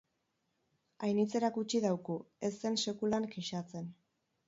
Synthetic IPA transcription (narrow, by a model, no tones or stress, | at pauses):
ajnit͡se̞ɾakut͡ʃiðawkue̞st̪e̞nse̞kulaŋkeʃat͡se̞n